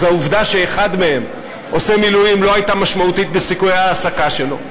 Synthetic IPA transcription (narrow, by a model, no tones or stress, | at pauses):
zauvd̪aʃe̞ːχad̪me̞he̞m | o̞semilujimloajt̪amaʃmaut̪it̪̚besikujaːsakaʃelo̞